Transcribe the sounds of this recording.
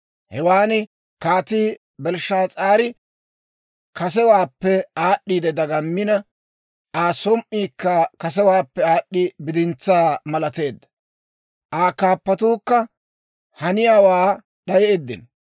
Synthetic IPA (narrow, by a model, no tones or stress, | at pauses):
hɛwaːnɪ | kaːt̪iː | bɛlʃːaːt͡sʼaːɾɪ | kɐsɛwaːpːɛaːɗːiːd̪ɛd̪ɐɡɐmːɪnɐ | ʔaːsɔmʔːiːkːɐkɐs̬ɛwaːpːɛaːɗːɪbɪd̪ɪnt͡sːaːmɐlɐt̪e̞ːd̪ːɐ̥ | ʔaːkaːpːɐt̪uːkːɐ | hɐnɪjaːwaː | ɗɐjed̪ːɪ̰n